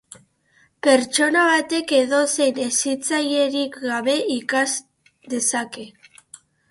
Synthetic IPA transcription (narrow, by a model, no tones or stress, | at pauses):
peɾt͡ʃonaβat̪ekeðosenesit͡sajeɾikɣaβeikas | d̪esake